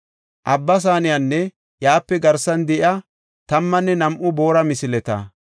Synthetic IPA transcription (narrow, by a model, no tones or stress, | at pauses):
ʔɐbːɐs̬aːnɪjanːɛ | jaːpːɛɡɐɾsɐnd̪ɛʔjɐ | t̪ɐmːɐnːɛnɐmʔʊbo̞ːɾɐmɪsɪlɛt̪ɐ̰